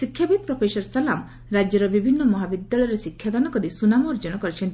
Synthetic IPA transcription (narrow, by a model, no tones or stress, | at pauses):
sikʰːjabid̪̚pɾɔpʰesɔɾsalam | ɾad͡ʒjɔɾɔbibʱinːɔmɔɦabid̪ːaɭɔjɾesikʰːjad̪anɔkɔd̪isunamɔːɾd͡ʒɔnɔkɔɾit͡ʃʰɔnt̪